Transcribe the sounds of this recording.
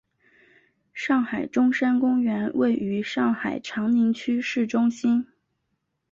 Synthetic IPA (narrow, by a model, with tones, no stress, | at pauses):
ʂɑ˥˩ŋxa˨˩ɪʈ͡ʂʊ˥ŋʂa˥nkʊ˥ŋɥɛ˧˥nwʔe˥˩ɪy˧˥ʂɑ˥˩ŋxa˨˩ɪʈ͡ʂʰɑ˧˥ŋni˧˥ŋt͡ɕʰy˥ʂɻ̩˥˩ʈ͡ʂʊ˥ŋɕi˥n